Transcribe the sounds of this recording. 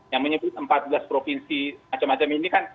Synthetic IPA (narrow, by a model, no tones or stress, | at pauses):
jaŋməɲəbʊt̪̚əmpat̪̚bəlaspɾofinsimat͡ʃamat͡ʃaminikan